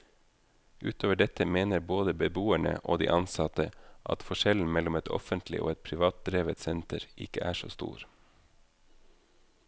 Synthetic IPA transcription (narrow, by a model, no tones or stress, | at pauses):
ʔʉːt̪ʰoːʋəɖɛt̪əmeːnəɾboːd̪əbəbuːæɳə̰ʔoːd̪ḭːʔɑnsɑt̪əʔɑ̰t̪fɔʃɛln̩mɛlʊmɛt̪ʰɔ̰fənt̪ʰlɪ̰ʔo̰ːɛt̪̚pʰɾɪʋɑːt̪̚d̪ɾeːʋət̪sɛnt̪ʰəɾʔɪkəʔæːʂo̰ːst̪ṵːɾ